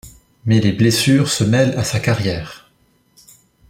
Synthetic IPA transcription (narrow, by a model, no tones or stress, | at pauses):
mɛleblesyːʁsəmɛlasakaʁjɛːʁ